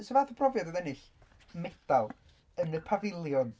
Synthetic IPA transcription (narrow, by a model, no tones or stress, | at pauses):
səvaːθɔbʰrɔvjadəðɛnɪɬ | mɛd̥alˠ | ənəpʰavɪlˠjɔn